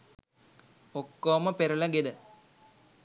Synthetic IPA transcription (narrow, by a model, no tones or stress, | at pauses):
okːoːməpeɾulɐɡed̪ə